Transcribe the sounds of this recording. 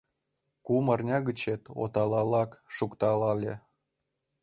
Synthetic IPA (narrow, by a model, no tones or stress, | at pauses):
kumɑrnʲɑɣət͡ɕet̪o̰t̪ɑlɑlɑkʃukt̪ɑlɑlʲe